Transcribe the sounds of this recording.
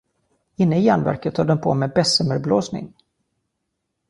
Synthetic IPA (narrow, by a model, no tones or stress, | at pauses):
ɪnːəɪjæɳvæ̰ɾkət̪ʰːɑːd̪ɛnpʰo̰ːmɛːbɛsəməɾbloːsnɪ̰ŋ